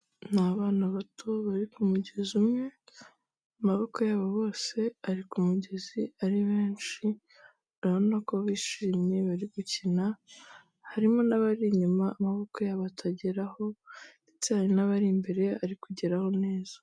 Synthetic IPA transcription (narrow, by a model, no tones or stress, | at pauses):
naβaːnaβatʰoβaɾikumuɟezumŋe̞ | amaβo̞kojaːβoβo̞ːse̞aɾikumuɟe̞ziaɾiβe̞ːnt͡ʃi | aβonakoβiːʃiːmɲe̞βaɾiɡucina | haɾimo̞naβaɾiɲumaːmaβo̞kojaβatʰaɟeɾaho̞ | itaɾinaβaɾimbe̞ɾe̞aɾikuɟeɾaho̞ne̞ːzḁ